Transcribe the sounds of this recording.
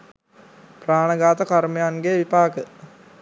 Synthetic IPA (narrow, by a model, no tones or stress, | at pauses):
praːɳəɡaːt̪ɐkarmejanɡeʋipaːkə